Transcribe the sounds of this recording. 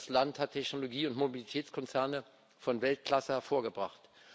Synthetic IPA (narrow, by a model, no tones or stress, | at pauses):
slanthatʰɛçnoloɡiːʊntmobilitʰɛːt͡skʰɔnt͡sɛɐnə | fɔnvɛlt̚kʰl̥asəhɛɐfoːɐɡəbʁa̰χt